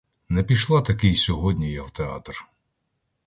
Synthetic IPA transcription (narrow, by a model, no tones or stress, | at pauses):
nɛpʲiʃlˠɑt̪ɐkɪjsʲɔɦɔdʲnʲijɐwt̪eɑ̰t̪r